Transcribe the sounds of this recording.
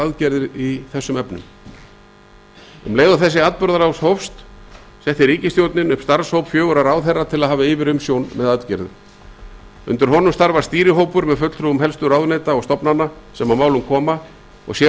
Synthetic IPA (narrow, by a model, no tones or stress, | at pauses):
aðcɛɾðɪɾiθɛsːʏmɛpnʏ̰m | ʏ̰mleːjðʏθɛsːɪat̪pʏɾðaɾawshowfst̪ | sɛht̪ɪɾiːcɪst̪jowt̪nɪnʏpst̪aɾ̥showpfjœːɣʏɾaɾawθɛrːat̪ʰɪlaðɦaːvaɪːvɪɾʏmsjownmɛðaðt̪cɛ̰ɾðʏ̰ | ʏ̰nt̪ʏɾ̥ɦɔnʏmst̪aɾvast̪iːɾɪɦoːwpʏɾmɛðfʏt̪lʰɾuʏmɦɛlst̪ʏɾawðnejt̪aɔɣst̪ɔpnanːasɛmawmaːwlʏmkʰɔːma | ɔ̰ɣsjɛ